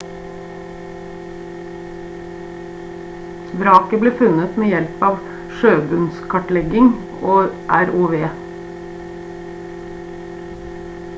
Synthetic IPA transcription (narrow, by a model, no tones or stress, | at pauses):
ʋɾɑːkəbliːfʉnət̪meːjɛlpɑːʋ | ʃøːbʉnskʰɑʈlɛɡɪŋ | oːʔæɾuːʋeː